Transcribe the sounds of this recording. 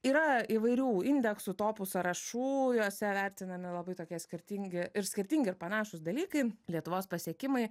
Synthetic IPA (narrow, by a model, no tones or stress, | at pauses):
iːɾɐiʋɐɪɾʲuːɪnʲd̪ʲɛksʊt̪oːpʊsɐɾɐʃuːjoːsʲɛʋʲæɾʲt̪ʲɪnɐmʲɪlˠɐbɐɪt̪oːkʲiɛsʲkʲɪɾʲt̪ʲiŋʲɡʲɪɪɾsʲkʲɪɾʲt̪ʲiŋʲɡʲɪɪɾpɐnɑːʃʊsd̪ɐlʲiːkɐɪlʲiɛt̪ʊʋoːspɐsʲiɛkʲɪmɐɪ